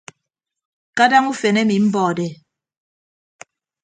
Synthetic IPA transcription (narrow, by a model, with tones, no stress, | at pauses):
ka˦da˦ŋu˦fe˨nɛ˦mi˨m̩˦bɔː˨dɛ˨